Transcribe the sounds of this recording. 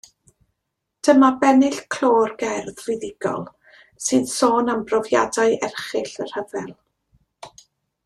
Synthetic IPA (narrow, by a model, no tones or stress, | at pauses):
d̥əmabɛnɪɬkʰl̥ˠoːrɡɛrðvɪðɪɡ̥ɔ̰lˠ | sɨðsoːnambrɔvja̰daɨʔɛrχɪɬər̥həvɛlˠ